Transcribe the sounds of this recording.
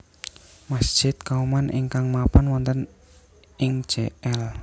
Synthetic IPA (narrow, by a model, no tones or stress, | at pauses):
masd̥ʒ̥ɪt̪̚kaumanʔɪ̰ŋkaŋmapanwɔnt̪ən | ɪŋ̥d͡ʒ̥eɛl